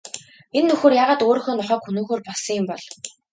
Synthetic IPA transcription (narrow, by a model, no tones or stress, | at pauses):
enːɵxoːrjaːʁaːt̪oːɾɵ̆xɵ̆ːnɔχœːkxunuːxoːrpɔɮsɞ̆ŋjʊmpɔɮ